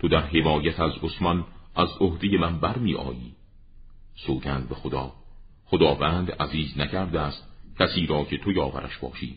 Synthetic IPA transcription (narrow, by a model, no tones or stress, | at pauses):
t̪ʰod̪æɾɦe̞mɒːjæt̪ʰæzosmɒnʔæzohd̪e̞je̞mænbæɾmiːʔɒ̰ːjiː | soːɟænd̪̚bexod̪ɒː | χod̪ɒːvænd̪æziːznæcʰæɾd̪eæst̪̚cʰæsiːɾɒːcʰe̞t̪ʰojɒːvæ̰ɾʔæ̰ʃbɒ̰ːʃḭː